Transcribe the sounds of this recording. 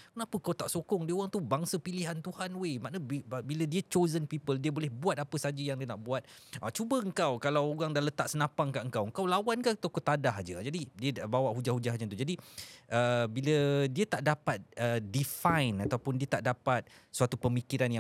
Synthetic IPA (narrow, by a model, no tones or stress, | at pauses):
kənapəkawt̪aʔsokɔŋdiəoɣaŋt̪ubaŋsəpiliɦant̪uhanwemaʔnəbbilədiət͡ʃozənpipəldiəbolɛhbuat̪̚apəsad͡ʒəjaŋdiənaʔbuat̪̚ʔat͡ʃubəəŋkawkalawoɣaŋdaʔlət̪aʔsənãpaŋŋkaʔəŋkawəŋkawlawankat̪okot̪adaɦd͡ʒəd͡ʒadidiəbawaʔɦud͡ʒahɦud͡ʒaɦɲət̪ud͡ʒadiʔəbilədiət̪aʔdapat̪̚ədifajnat̪awpʊndiət̪aʔdapat̪̚səat̪upəmikiɾanja